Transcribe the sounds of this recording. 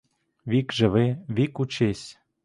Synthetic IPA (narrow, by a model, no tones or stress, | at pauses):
vikʒɘ̆βeβikut͡ɕesʲ